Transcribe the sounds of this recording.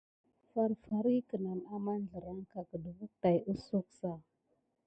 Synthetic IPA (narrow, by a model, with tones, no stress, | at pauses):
fa˦ɾfa˨ɾi˦kə˨na˨na˦ma˦n˦ɮə˨ɾa˦ŋka˨kə˨də˨vu˦ta˨ju˦su˦ksa˦˨